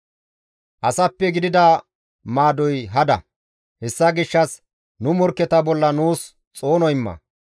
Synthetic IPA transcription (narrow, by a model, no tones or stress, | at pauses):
ʔɐsɐpːɛɡɪd̪ɪd̪ɐ | maːd̪ɔjɦɐd̪ɐ̰ | hɛsːɐɡɪʃːɐs | nʊmɔɾkːɛt̪ɐbɔlːɐnuːs | t͡sʼo̞ːnɔjɪmːɐ̰